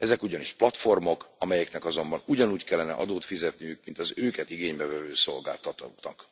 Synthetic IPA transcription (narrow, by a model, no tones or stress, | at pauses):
ɛzɛkuɟɒniʃplɒt̪fo̞rmo̞kɒmɛjɛknɛkɒzo̞mbɒnuɟɒnuːckɛlːɛnɛ̰ʔɒ̰d̪oːt̪fizɛt̪nijykmint̪ɒzøːkɛt̪iɡeːɲbɛvɛvøːso̞lɡa̰ːlt̪ɒt̪uknɒk